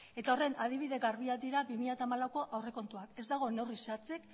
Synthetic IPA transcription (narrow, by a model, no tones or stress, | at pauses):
e̞t̪ao̞re̞nað̞iβ̞iðe̞ɣarβ̞iad̪iɾabimiʎat̪amalawko̞ʔawre̞ko̞nt̪uake̞zd̪aɣ̞o̞newrisat͡sek